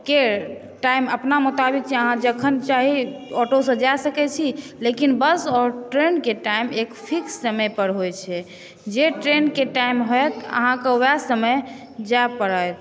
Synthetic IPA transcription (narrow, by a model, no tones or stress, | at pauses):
ke | ʈajməpnamut̪abik̚t͡ʃʰiəɦãd͡ʒəkʰənt͡ʃaɦiɔʈosə̃d͡ʒaesəkɛt͡ʃʰilekinbəsɔɾʈɾenkeʈaimekpʰiksːəməjpəɾɦojt͡ʃʰɛ | d͡ʒeʈɾenkeʈajmɦoet̪ə̰ɦãkeoasəməj | d͡ʒaepəɾəjt̪